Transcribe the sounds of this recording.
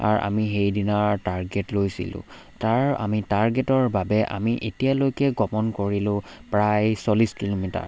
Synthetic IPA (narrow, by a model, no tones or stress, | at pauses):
a̰ɹa̰miɦejdinaɹtaɹɡɛtlojsḭlʊ̰̃ | taɹa̰mitaɹɡɛtɔɹbabɛʔa̰miʔetijalojkɛɡɔmɔnkoɹilʊ̃pɹajsoliskilomita̰ɹ